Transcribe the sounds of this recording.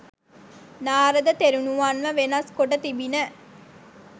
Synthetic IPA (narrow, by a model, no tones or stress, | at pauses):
naːɾəd̪ət̪eɾunuʋaːnʋəʋenɐskoʈət̪ibinə